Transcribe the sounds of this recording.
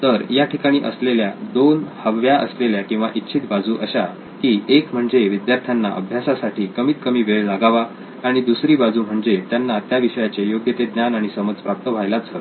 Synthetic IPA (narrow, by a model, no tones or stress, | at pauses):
t̪əɾjaʈʰikaɽ̃iːʔəsleljad̪onhəʋjaʔə̰sleljakĩw̃ʋaʔit̪ːɕʰiːt̪bad͡zuːʔəɕa | kiːekm̤əɳd͡zeʋid̪jaɾt̪ʰjanːa̰ʔə̰bʱjasasaʈiːkəmiːt̪kəmiːʋeɭlaɡaʋa | aɽ̃id̪usɾiːbad͡zuːm̤əɳd͡zet̪janːat̪jaʋiɕəjat͡sejoɡjət̪ed̪njanaɽ̃isəməd͡zpɾap̚t̪əʋ̤ʱajlat͡sə